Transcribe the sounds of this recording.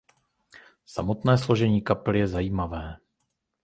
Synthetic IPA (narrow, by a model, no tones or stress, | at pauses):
sa̰mo̞t̪nɛːslo̞ʒɛɲiːkaplɪjɛzajiːmavɛː